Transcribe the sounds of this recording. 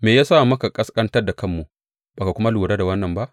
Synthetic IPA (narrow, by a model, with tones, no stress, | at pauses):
meː˨jaː˦saː˦˨mɐ˦ka˨kʼɐ˦skʼɐ˦ntɐ˦rda˨kɐ˦˨mːu˨ | b̥aː˨ka˨kʷʊ˦ma˦lu˨ɾaː˦da˨wɐ˦nːɐ˨mba˦ʔ